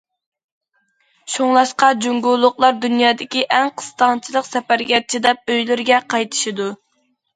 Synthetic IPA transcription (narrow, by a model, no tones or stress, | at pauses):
ʃoŋlˠɑʃqɑd͡ʒuŋɡulˠːʊχlˠɑɾd̪ynjɑːd̪ɪkʲiʔɛŋqʰə̥st̪ɑnt͡ʃʰilˠəqsɛpæɾɡʲɛt͡ʃʰid̪ɛp̚øjlɪɾɡʲɛqʰɑjt̪ʰɨ̥ʃid̪u